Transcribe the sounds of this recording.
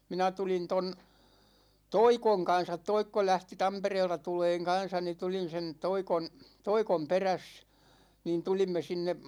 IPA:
minæ tulin ton toikoŋ kɑn̞sɑt toikːo læhti tɑmpereːltɑ tuleːŋ kɑn̞sɑ ni tulin̞ sen toikon toikom peræs niːn tulimːe sinːe

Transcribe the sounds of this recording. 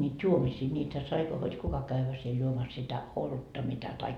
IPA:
nʲiːd̥ juomisiː niːtæ sɑi hod kukɑ kæʋːæ siel juomɑs sitæ olutːɑ mitæ tɑikːɑ

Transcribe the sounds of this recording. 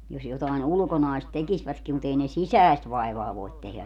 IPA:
jos jotɑˑin ulŭkonɑist tekisʋætki mut ei ne sisæest ʋɑiʋɑː ʋoit tehlæ

